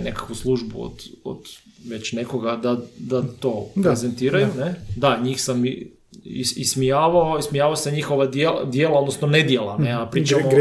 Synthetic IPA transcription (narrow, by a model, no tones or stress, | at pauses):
nekḁkʋuslˠuʒbṵo̰d̪̥o̰d̪̥ʋe̞t͡ɕne̞ko̞ɡad̪ad̪at̪oːpeze̞nt̪iːɾajune̞d̪aɲiːxsami | ḭismijaːʋaoismijaːʋaoseɲixo̞ʋad̪jelad̪jeːlˠao̞d̪nosnone̞d̪jelaneapɾit͡ʃamo